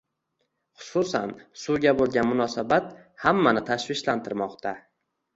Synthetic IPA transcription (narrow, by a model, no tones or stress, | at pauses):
χʊ̥sʊsa̰nsʊɡʲabolˠɡʲanmʊnɒsabat̪̚ | hamːanɪt̪ʰaʃvɪʃlant̪ʰɪɾmɒqt̪ʰa